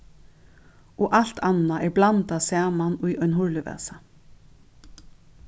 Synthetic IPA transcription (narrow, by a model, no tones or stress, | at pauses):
ɔʔal̥t̪ʰanaʔɛɹblant̪asæːmanʊjʔɔjnɦʊɹlɪʋɛ̰ːsa